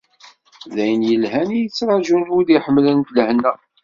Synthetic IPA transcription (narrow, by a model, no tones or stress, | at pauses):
ðæjənjəlɦænijət͡sːɾˤɑʒunuðiħəmːlənt̪ləhnæ